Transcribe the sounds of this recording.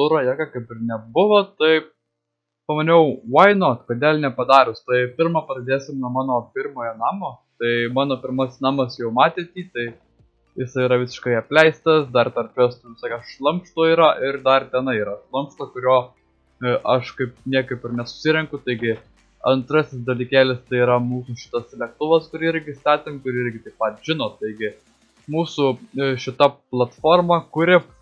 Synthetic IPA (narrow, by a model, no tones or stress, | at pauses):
ʊɾɐjɛːkɐkɐɪpɪɾnʲɛbʊʋoːt̪ɐɪ | pɐmɐnʲɛʊwɐɪnoːt̪kod̪ʲeːlʲnʲɛpɐd̪ɑːɾʊst̪ɐɪpʲɪɾmɑpɐdɐd̪ʲeːsʲɪmnuɔmɑːnoːpʲɪɾmoːjɛnɑːmoːt̪ɐɪmɑːnoːpʲɪɾmɐsʲsnɑːmɐsjɛʊmɑːt̪ʲeːt̪ʲiːt̪ɐɪ | jɪsɐɪiɾɐʋʲɪsʲɪ̥ʃkɐɪɐpʲlʲɛɪst̪ɐsd̪ɐrt̪ɐrʲpʲost̪ʊsoːkʲɐʃʃlˠɐmpʃt̪oːiːɾɐʔɪɾd̪ɐrt̪ʲɛnɐɪiːɾɐʃlˠɐmpʃt̪okʊɾʲoː | ʔɐʃkɐɪp̚nʲiɛkɐɪpɪɾnʲɛsʊ̥sʲɪɾʲɛŋkʊt̪ɐɪɡʲɪ | ɐnt̪ɾɐsʲɪsd̪ɐlʲiːkʲæːlʲɪst̪ɐɪiːɾɐmuːsʊʃʲɪ̥t̪ɐslʲɛk̚t̪ʊʋɐskʊɾʲɪɾʲɡʲɪst̪ɑːt̪ʲɪmkʊɾɪɾʲɡʲɪt̪ɐɪppɐt̪ʒʲɪnoːt̪ɐɪɡʲɪ | muːsʊʃʲɪt̪ɐplˠɐt̪foːrmɐkʊɾʲɪp